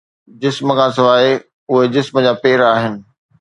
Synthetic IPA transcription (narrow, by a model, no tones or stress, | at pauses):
d͡ʑɪsməkʰãːs̬ɪʋaːe | ʊɦed͡ʑɪsməd͡ʑaːpeːɾaːɦɪnɪ̆